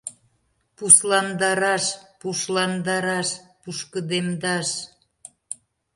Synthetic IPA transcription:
puslɑnd̪ɑɾɑʃpuʃlɑnd̪ɑɾɑʃpuʃkəd̪emd̪ɑʃ

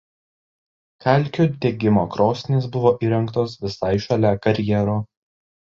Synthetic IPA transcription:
kʰʲæˑlʲˑkʲoːd̪ʲeɡʲɪmoːkɾoːsʲnʲeːsbʊʋoːʔiːɾʲɛŋkt̪oːsʋʲɪsɑɪʃɐlʲækɐɾʲjɛɾoː

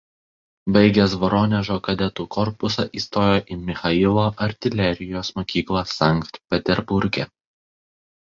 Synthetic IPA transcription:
bɐɪɡʲɛsʋɔɾɔnʲɛʒoːkɐd̪ʲɛt̪uːkɔɾpʊsɐʔiːst̪oːjoːʔimʲɪxɐɪlˠoːʔɐɾʲt̪ʲɪlʲɛɾʲɪjoːsmoːkʲiːklˠɐsɑˑŋkt̪pʲɛt̪ʲɛɾbʊɾʲɡʲɛ̰

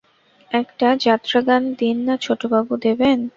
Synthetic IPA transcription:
ɛkʈad͡ʑat̪ːɾaɡ̪and̪inːat͡ɕʰoʈobabud̪eben

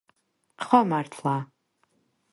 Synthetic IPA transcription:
χɔmartʰlaː

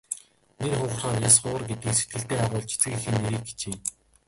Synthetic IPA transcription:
nerχʊːχrχaːrjasɢʊːə̆rɡet̪iːkse̥t̪̚ɡɘ̆ɬt̪eːaʁʊːɮt͡ɕʰe̥t͡sɡɘ̆kixɘ̆nːeɾiːk̚ɡe̥t͡ɕeː

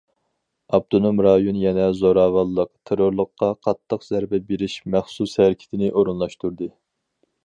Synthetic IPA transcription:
ɑb̚t̪ʰonomɾɑjonjɛnɛzoɾɑːvɑlˠːəq̚t̪ʰeɾoɾlˠəqːɑqʰɑt̪ʰːəqzæɾbɛbeɾɪʃmæχsushæɾkʲʰi̥t̪ʰɪnɪʔoɾunlˠɑʃt̪uɾd̪ɨ

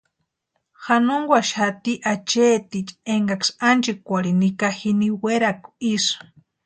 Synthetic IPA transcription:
xanoŋɡʷaʃat̪iʔat͡ʃeːt̪it͡ʃeŋɡaksand͡ʒikʷaɾinikaxiniweɾaku̥is

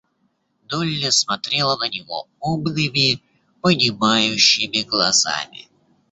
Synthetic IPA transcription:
d̪olʲːəsmɐt̪ɾʲelˠənənʲɪvo̰ | obnʲɨmʲɪ | pənʲɪmajʉɕːɪmʲɪɡlˠɐza̰mʲɪ̰

